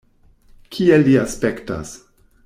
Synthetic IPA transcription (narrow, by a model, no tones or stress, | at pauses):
kʰielːiaspekta̰s